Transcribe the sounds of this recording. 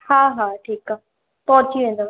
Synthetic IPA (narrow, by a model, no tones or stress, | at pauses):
haːɦaːʈʰiːka | t̪ɔːt͡ʃiʋẽnd̪aː